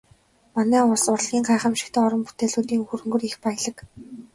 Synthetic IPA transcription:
manæːʊɮsʊrɮɣʲiːɴɢaːχə̆mʃɪ̥̆kt̪ʰːɔɾə̆mput̪eːɮuːt̪iːŋxuɾɵ̆ŋɡɵ̆rixpaj̆ɮə̆k

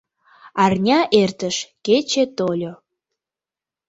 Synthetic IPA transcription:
ɑrnʲɑʔert̪əʃket͡ɕet̪olʲo

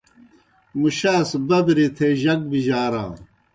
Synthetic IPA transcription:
muɕaːsbɐbɾit̪ʰeːʑɐk̚biʑaːɾã̰ː

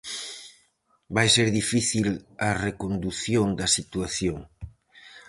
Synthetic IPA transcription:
bajseɾðifiθilaɐrekond̪uθjoŋd̪ɐsit̪uaθjoŋ

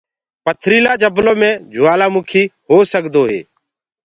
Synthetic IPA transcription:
pət̪ʰɾiːlaːd͡ʒəblõːmẽːd͡ʒʱʊaːlaːmʊːkʰiːhoːsəkd̪oːɦḛː

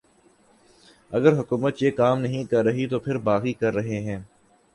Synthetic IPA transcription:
ɐɡəɾɦʊkuːmət̪jeːkaːmnɐɦĩkɐɾːɐɦit̪opʰɪɾbaːqikɐɾːɐɦeɦɛ̃ː

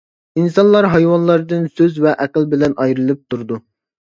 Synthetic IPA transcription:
insɑnlˠɑɾɦɑjwɑnlˠɑɾd̪ɨnsøzvɛʔɛqəlˠbɪlɛnʔɑjɾɨlˠɨp̚t̪ʰuɾd̪u

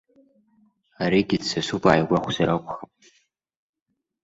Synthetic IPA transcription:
aɾiɡʲidsasupʼaʕajɡʷaχʷzaɾakʷʰʼχapʼ

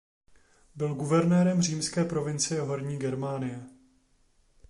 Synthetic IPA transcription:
bɪlɡuvɛɾnɛːɾɛmr̝iːmskɛːpɾo̞vɪnt͡sɪjɛɦoɾɲiːɡɛɾmaːnɪjɛ

